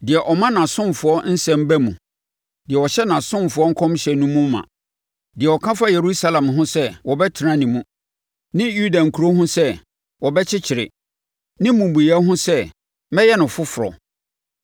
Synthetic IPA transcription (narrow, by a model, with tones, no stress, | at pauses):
dɪ˨ɛ˨ʔɔ˨mã˦nã˨sʊ̃˦mfʊ˨˦ɔ˦n̩˦sɛ̃˦m˦bæ˦mũ˨ | dɪ˨ɛ˨wɔ˨ɕɛ˦nã˨sʊ̃˦nfʊ˦ɔ˦ŋ̩˦kʰɔ̃˦m˦ɕɛ˨nũ˦mũ˦m̩ː˦ã̰˨ | dɪ˨ɛ˨ɔ˨kʰã˦fa˦je˨ɾu˦sa˦lã˨mɦʊ̃˦sɛ˦wɔ˨bɛ˦tʰɪ˨ɾã˦nĩ˨mũ˦ | nɪ̃˦ju˦da˨ŋ̩˨kʰu˨ɾo˦ɦʊ̃˦sɛ˦ | wɔ˨bɛ˦t͡ɕʰɪ˦t͡ɕʰɪ˨ɾɪ̰˨ | nɪ̃˦mũ˨bu˨ja˦ɦʊ̃˦sɛ˦ | mɛ̃˦jɛ˦nɪ̃˨fʊ˦fʊ˨ɾɔ̰˨